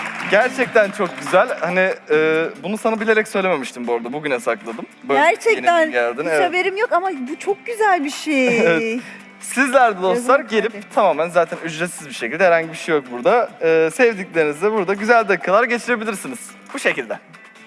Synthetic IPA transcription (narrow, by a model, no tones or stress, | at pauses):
ɟæɾt͡ʃʰɛc̚t̪ʰænt͡ʃʰo̞k̚ɟyzælʲhaniː | bunusanabilʲe̞ɾɛcsø̞jlʲeme̞miʃt̪ʰimboɾd̪abuɟynɛsaklˠad̪ɯmbøæɾt͡ʃʰɛenænɟælʲd̪ineabeɾimjokamabut͡ʃʰok̚ɟyzælʲbiʃejevɛ | sizlʲæɾd̪ɛd̪o̞sˠaɾɟe̞lʲip̚t̪ʰamaːmænzaːt̪ʰænyzɾet̪sizbiʃecʰilʲd̪ɛhɛɾhaɲɟibiʃejo̞k̚buɾd̪aɯːsɛvd̪iclʲe̞ɾinizd̪ɛbuɾd̪aɟyzælʲd̪akʰːalˠaɾɟe̞t͡ʃʰiɾe̞bilʲiɾsiniz̥ | buʃecilʲd̪ɛ